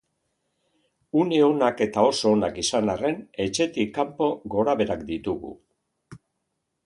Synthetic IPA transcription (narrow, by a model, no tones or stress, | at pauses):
une̞o̞nake̞t̪ao̞so̞ːnakisanare̞ne̞t͡ʃe̞t̪ikːampo̞ɣo̞ɾaβe̞ɾakd̪it̪uɣṵ